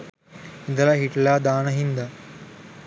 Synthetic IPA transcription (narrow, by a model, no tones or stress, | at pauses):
ɪ̃nd̪əlaːɦiʈlaːd̪aːnɐɦĩːnd̪aː